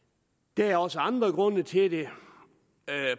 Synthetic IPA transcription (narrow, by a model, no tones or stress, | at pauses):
d̥ææɐɒ̽səɑ̈nd̥ʁɐɡ̥ʁɔ̽nət͡sʰe̝d̥e̝